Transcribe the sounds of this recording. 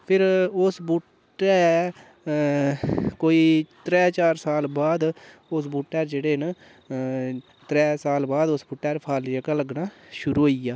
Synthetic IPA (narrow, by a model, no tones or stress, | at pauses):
pʰɪɾʊsbuːʈː | ɛː | koːiːt̪ɾɛːt͡ʃaːɾsaːlbaːd̪ | ʊs̬buːʈːɛːɾd͡ʒeːɽeːɦn | t̪ɾɛːsaːlbaːd̪ʊsbʊʈːɛːɾpʰaːlijəkaləɡnaːʃʊɾuːɦoiːjaː